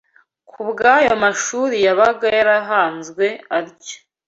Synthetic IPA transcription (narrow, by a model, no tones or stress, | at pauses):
kʰubɡaːjomaʃuɾijaβaɡajaɾaɦaːnzɡwe̞aɾɟo̥